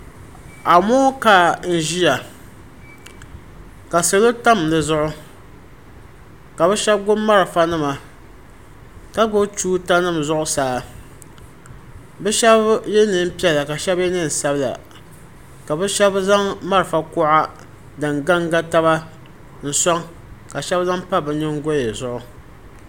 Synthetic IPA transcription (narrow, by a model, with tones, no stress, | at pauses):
a˨mo˦ka˨n̩˨ʒi˦ja˨ | ka˨sɨ˨lo˦ta˦m˨nɨ˨zʊ˦ʔʊ˦ | ka˨bɛ˦ʃɛ˦b̚ɡʊ˦mːa˦ɾɨ˨fa˦nɨ˦ma˨ | ka˦ɡo˦tuː˦ta˦nɨ˦m˨zʊ˦ʔʊ˦saː˨˦ | bɛ˦ʃɛ˦bjɛ˦nɨ˦m̩˦pi˦ɛ˨la˨ka˨ʃɛ˦bjɛ˦nɨ˦n̩˨sa˦bla̰˨ | ka˨bɛ˦ʃɛ˦bza˦ŋma˦ɾɨ˨fa˨kʊ˦ʔa˦ | dɨ˨ŋɡa˦ŋɡa˦ta˦βa˦ | n̩˨sɔ˦ŋ | ka˨ʃɛ˦bza˦ŋpa˦bɨ˨ɲɪ˦ŋɡo˦e˨zʊ˦ʔʊ˦